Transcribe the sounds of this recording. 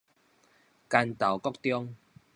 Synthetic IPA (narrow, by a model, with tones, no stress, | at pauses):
ka˧nt̪a˨˩wkɔ˥k̚t̪jɔ˥˧ŋ